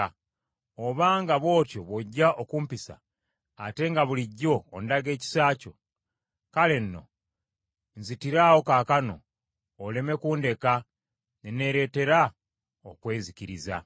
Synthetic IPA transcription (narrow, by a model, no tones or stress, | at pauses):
oβaːŋɡaβo̞ːco̞βoɟːaʔokuːmpisa̰ː | te̞ŋɡaβuliɟːo̞ːndaɡe̞ːci̥saːco̞̰ | kale̞nːo̞̰ | nzitiɾaːwo̞kaːkano̞̰ː | le̞me̞kuːnde̞ka | nene̞ɾe̞ːte̞ɾa | okwe̞ːziciɾiza̰